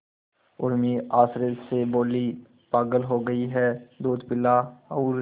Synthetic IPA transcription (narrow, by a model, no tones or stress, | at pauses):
ʊɾmiaːsɾed͡ʒseboːli | paːɡəlɦoːɡɐiɦɛːd̪oːd̪pɪlaɔːɾ